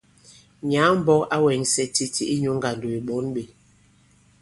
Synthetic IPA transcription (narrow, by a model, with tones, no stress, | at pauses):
ɲa˨˦m̩˦bɔ˦a˦wɛ˨˦ŋsɛ˦ti˦ti˦ʔi˦ɲo˨˦ŋ˦ɡa˨ndo˨i˨ɓɔ˨˦nɓe˨